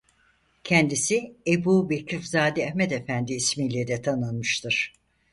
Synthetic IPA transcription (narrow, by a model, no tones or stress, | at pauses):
cʰɛnd̪isiebuːbecʰifzaːd̪ɛɛhmet̪efænd̪iːsmiːlʲed̪ɛt̪ʰanɯnmɯʃt̪ʰɯɾ̥